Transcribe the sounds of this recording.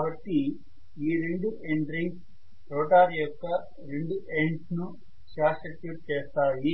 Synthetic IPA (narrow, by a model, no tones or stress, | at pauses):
kaːbɐʈːi | iːɾeɳɖuʔeɳɖɾiŋɡ | ɾoːʈaːɾjɔkːɐ | ɾeɳɖuʔeɳʈnu | ʃaːsʈɐʈjuːʈ̚t͡ʃeːst̪aːji